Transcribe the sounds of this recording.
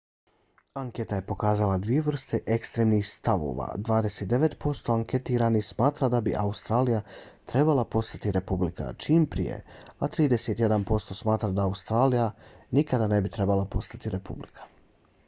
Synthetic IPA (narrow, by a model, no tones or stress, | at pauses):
aŋket̪aje̞po̞kaːzalad̪ʋije̞ʋr̩st̪e̞ʔekst̪ɾeːmnixst̪aʋo̰ʋa̰d̪ʋaːd̪e̞set̪d̪e̞ʋe̞t̪po̞st̪o̞aŋke̞t̪iɾanixsmaːt̪ɾad̪abiʔaust̪ɾaːlijat̪ɾe̞balˠapo̞st̪at̪iɾe̞publika̰t͡ʃiːmpɾḭje̞̰at̪ɾiːd̪e̞set̪je̞d̪anpo̞st̪o̞smaːt̪ɾad̪aːust̪ɾaːlijanikad̪ane̞bit̪ɾe̞balˠapo̞st̪at̪iɾe̞publikʰḁ